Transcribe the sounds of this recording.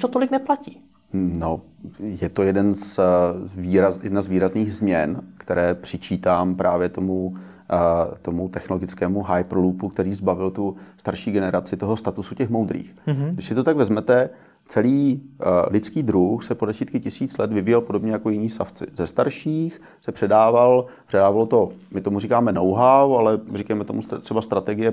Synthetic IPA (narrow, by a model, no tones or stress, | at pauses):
t̪ot̪olɪknɛplaciː | no | jɛt̪ojɛdɛns | viːɾazjɛdnazviːɾazniːɣzmɲɛnkt̪ɛɾɛːpr̝̥ɪt͡ʃiːt̪aːmpɾʔaːvjɛt̪o̞mu | t̪o̞mut̪ɛxno̞lo̞ɡɪt͡skɛːmuɦajprlupuk̚t̪ɛɾiːzbavɪlt̪ust̪aɾʃiːɡɛnɛɾat͡sɪt̪o̞ɦo̞st̪at̪usucɛxmowd̪ɾḭːxɡdɪʃsɪt̪o̞t̪aɡvɛzmɛt̪ɛ | t͡sɛliːlɪt͡skiːd̪ɾuxsɛpo̞dɛsiːt̪kɪcɪsiːt͡slɛt̪vɪvɪjɛlpo̞do̞bɲɛjako̞jɪniːsa̰ft͡sɪ̰zɛst̪aɾʃiːx | sɛpr̝̥ɛdaːvalpr̝̥ɛdaːvalo̞t̪o̞mɪt̪o̞murikaːmɛnowɦawalɛrikajmɛt̪o̞must̪r̥ɛbast̪ɾat̪ɛɡɪjɛ